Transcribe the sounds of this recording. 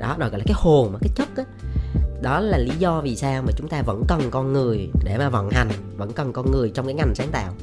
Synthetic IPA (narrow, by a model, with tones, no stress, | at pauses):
ɗɔ̰˨˦ɗɣɔ̰˧˨laː˨˩aː˨˦jho˨˩nmaː˨˩kaː˨˦jt͡ɕə˦˥k̚ʔaː˨˦ɗɔ˨˦laː˨˩li˨˦zɔ˧vi˨˩saː˧wmaː˨˩t͡ɕʊ˨˦ŋ͡mt̪aː˧və̰˧˥nkə˨˩nkɔ˧nŋɨ˨˩əjɗe˧˩maː˨˩vɔ̰˧˨nha˨˩jŋ̟və̰˧˥nkə˨˩nkɔ˧nŋɨ˨˩əjt͡ɕɔ˧wŋ͡mkaː˨˦ŋa˨˩jŋ̟saː˨˦ŋt̪a̰ː˧˨w